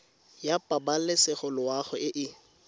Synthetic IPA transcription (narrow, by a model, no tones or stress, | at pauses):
japʼabalɪsɪχʊlʊaχʊɪʔɪ